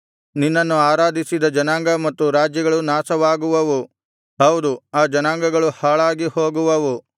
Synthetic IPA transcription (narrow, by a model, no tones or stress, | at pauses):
ninːɐnːuaːɾaːd̪ʱisid̪ɐd͡ʒɐnaːŋɡɐmɐt̪ːuɾaːd͡ʒjɐɡɐɭunaːsɐʋaːɡuʋɐʋu | ɦɐwd̪uaːd͡ʒɐnaːŋɡɐɡɐɭuhaːɭaːɡiho̞ːɡuʋɐʋu